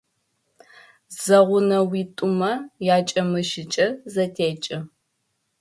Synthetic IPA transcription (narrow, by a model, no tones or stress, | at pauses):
z̥ɐʁʷʊnɐwiːtʼʊmɐjaːt͡ʃʼɐmɨʃɪt͡ʃʼɐzɐtʰeːt͡ʃʼɐ